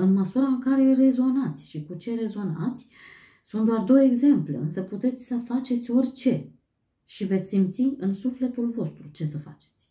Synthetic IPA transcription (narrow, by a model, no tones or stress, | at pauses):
ɨnməsuɾaɨŋkaɾe̞re̞zo̞nat̪sʲʃikut͡ʃe̞ɾe̞zo̞na̰t̪sʲ | sunt̪d̪oard̪o̞wəe̞ɡze̞mpleɨnsəput̪e̞t̪sʲsəfat͡ʃe̞t̪sʲo̞rʲt͡ʃe̞ | ʃive̞t̪sʲsimpt̪siɨnsufle̞t̪ulvo̞st̪ɾut͡ʃe̞səfa̰t͡ʃe̥t̪sʲ